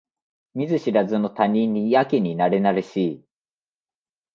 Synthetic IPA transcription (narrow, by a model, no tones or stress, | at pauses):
mʲizɨɕiɾazɨnot̪aɲʲĩɲːiakeɲ̟inaɾenaɾɯɕi